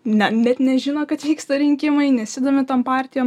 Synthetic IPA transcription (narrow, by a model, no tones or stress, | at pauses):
nʲɛnʲɛt̪nʲɛʒʲɪnokɐt̪ʋʲiːkst̪ɐɾʲɪŋʲkʲɪmɐɪnʲɛsʲɪd̪oːmʲɪt̪ɐmpɑːɾʲt̪ʲɪjɛ